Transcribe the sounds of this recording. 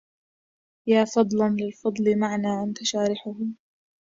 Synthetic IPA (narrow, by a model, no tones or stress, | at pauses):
jaːfɑd̪ˤlanlɪlfɑd̪ˤlɪmaʕnaːʔant̪aʃaːɾɪħʊhʊ